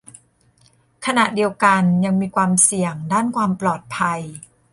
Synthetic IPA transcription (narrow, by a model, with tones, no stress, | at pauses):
kʰa˧na˨˩ʔdi˧əwka˧nja˧ŋmiː˧kʰwaː˧msi˨˩əŋdaː˥˩nkʰwaː˧mplɔː˨˩t̪̚pʰa˧j